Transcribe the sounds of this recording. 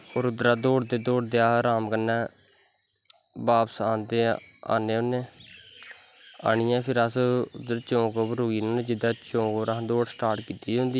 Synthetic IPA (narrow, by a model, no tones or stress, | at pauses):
oːɾʊd̪ɾaːd̪oːɖd̪eːd̪oːɖd̪eaːɾaːmkənːɛː | baːpsaːnd̪eːa̰ːneːoneː | a̰ːɳ̃ɪjãːpʰɪɾəsʊd̪əɾt͡ʃõːkoːbɾoːɡiːnõːnẽːd͡ʒɪd̪aːt͡ʃõːkoːɾãd̪oːɽsʈaːɾʈkiːt̪iːõːnd̪iː